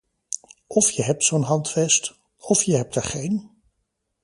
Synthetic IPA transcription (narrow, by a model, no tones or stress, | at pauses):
ʔɔfjəɦɛp̚tsownɦɑntfɛst | ɔfjəɦɛp̚təɹχejn